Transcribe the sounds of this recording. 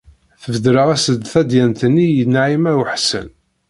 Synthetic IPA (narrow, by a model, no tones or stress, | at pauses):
θəvd̪ɾəʁæsəd̪θæd̪jænt̪ənːijənːaʕimæwħsə̰n